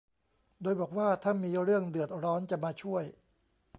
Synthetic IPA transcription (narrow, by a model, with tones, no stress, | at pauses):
doː˧jbɔː˨˩k̚waː˥˩t̪ʰa˥˩nmiː˧ɾɯ˥˩əŋdɯ˨˩ət̪̚ɾɔː˦˥nt͡ɕa˨˩maː˧t͡ɕʰu˥˩əj